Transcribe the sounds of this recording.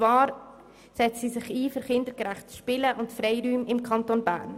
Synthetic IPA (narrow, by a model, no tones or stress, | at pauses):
vɑːɾ | sɛt͡ssisɪχiːfʏɾχɪndəɡɾæχtʃpɪləʔʊntfɾɛɪɾyːmɪmkʰɑntonbæ̰ːɾn